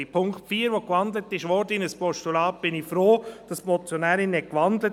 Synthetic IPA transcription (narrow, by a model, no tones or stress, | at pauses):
ipʰʊŋktfiːəɾʋokʋɑnd̪lətɪʃʋɔɾdəɪnəspɔʃtulɑːp̚b̥ɪnifɾoːd̥ɑsmɔt͡sjɔnæːɾɪnɛkʋɑnd̪lə